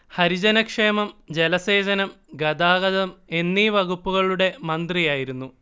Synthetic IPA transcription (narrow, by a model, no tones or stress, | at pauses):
hɐɾid͡ʑɐnɐkʂe̞ːmɐmd͡ʑelɐseːd͡ʑɐnɐm | ɡɐd̪aːɣɐðɐme̞nːiʋɐɣupːuɣɐɭuɽe̞mɐnd̪rijaːjiɾunːu